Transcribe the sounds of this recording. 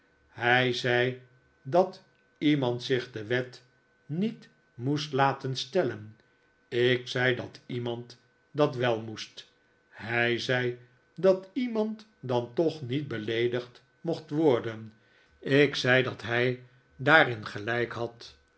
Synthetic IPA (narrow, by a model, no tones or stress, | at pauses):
hɛjzɛj | dɑt | imɑntsɪχdəʋɛt | nit | mustlaːtənstɛlən | ɪksɛjdɑtimɑnt | dɑtʋɛlˠmust | ɦɛjzɛj | dɑtimɑnt | dɑntɔχnit̚bəlejdəχt | moχtʋɔɹdən | ɪksɛjdɑtɦɛj | daːɾɪnχəlɛjkɦɑt